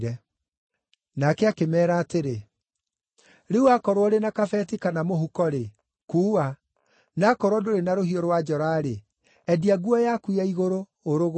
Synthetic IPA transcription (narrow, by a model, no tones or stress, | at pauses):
ɾɛ | nakɛakemɛːɾaːteɾe | ɾeuakɔɾwɔɾenakafɛtikanamohukɔɾe | kuːa | nakɔɾwɔdoɾenaɾohiɔɾwad͡ʒɔɾaɾe | ɛdiaɡuɔjakwiaiɣoɾoː | ɾoɣ